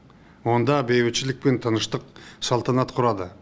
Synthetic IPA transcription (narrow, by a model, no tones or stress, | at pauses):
wo̞nd̪ɑbe̞βet͡ʃɪlɪk̚pent̪ʰɑnəʃt̪əqsɑlˠt̪ɑnɑt̪qʰʊɾɑd̪ə